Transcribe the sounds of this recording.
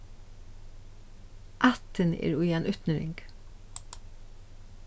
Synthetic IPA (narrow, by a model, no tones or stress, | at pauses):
ʔɑt̪ənḛːɾuːjɛnʔœt̪nəɾɪ̰ŋɡ